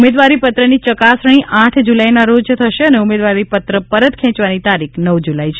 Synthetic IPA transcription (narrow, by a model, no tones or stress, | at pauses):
med̪ʋaɾipət̪ɾənit͡ʃəkasɳ̃iʔaʈʰd͡ʒulainaɾod͡ʒt̪ʰəʃeəneumed̪ʋaɾipət̪ɾəpəɾət̪kʰɛ̃t͡ʃʋanit̪aɾikʰnəʋd͡ʒulait͡ʃʰe